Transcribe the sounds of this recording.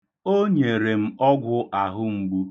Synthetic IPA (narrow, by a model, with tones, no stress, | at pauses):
o˦ɲe˨ɾe˨m̩˦ɔ˦ɡʷʊ˦ʔa˨ɦʊ˦ŋ͡m̩˦ɡ͡bu˦